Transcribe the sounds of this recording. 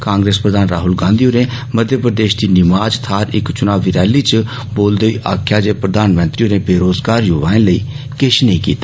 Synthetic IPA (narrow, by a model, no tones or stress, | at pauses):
kãːŋɡɾeːspɾəd̪aːnɾaːɦʊlɡãːnd̪ijũneməd̪ʱjəpɾəd̪eːʃd̪iːnɪmaːd͡ʒt̪ʰaːɾɪ̰kt͡ʃʊnaːʋiɾɛːliːt͡ʃə | boːld̪əiːʔa̰ːkʰjaːd͡ʒeːpɾəd̪aːnmə̃nt̪ɾiːunebeːɾoːzɡaːɾjʊʋaːɪ̃nləḭː | kɪʃnə̃ĩːkḭːt̪aː